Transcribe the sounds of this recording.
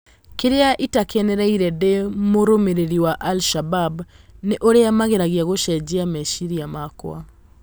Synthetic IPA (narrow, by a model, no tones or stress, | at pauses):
keɾeaʔitakɛnɛɾaiɾɛdemoɾomeɾeɾiwaʔalʃababneʔoɾeamaɣeɾaɣiaɣoʃɛd͡ʒiamɛʃiɾiamakw̰a̰